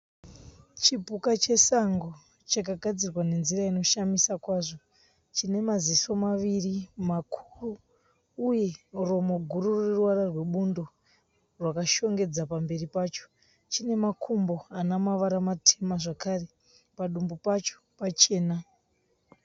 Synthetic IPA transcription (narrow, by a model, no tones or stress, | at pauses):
t͡ʃipukat͡ʃe̞saŋɡo̞ | t͡ʃakaɡʱad͡zirwane̞nziraino̞ʃamisakwaːʐo̞ | t͡ʃine̞maziso̞maʋirimakʰu̥ruː | je̞ro̞moɡʱurureruwaɾarwe̞ɓundo̞ | rwakaʃo̞ŋɡe̞d͡zapambe̞ripaːt͡ʃo̥ | t͡ʃine̞makʰumbo̞anamaʋaɾamatʰemaʐakare̞ | paɗumbupat͡ʃo̥pat͡ʃe̞ːna